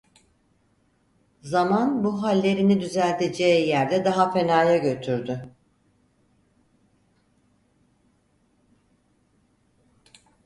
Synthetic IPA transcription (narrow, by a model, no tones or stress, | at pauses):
zamanbuɦalʲːe̞ɾinid̪yzælʲt̪ʰed͡ʒɛːjæɾd̪ɛd̪aɦafe̞naːjaɟø̞t̪ʰyɾd̪ʏ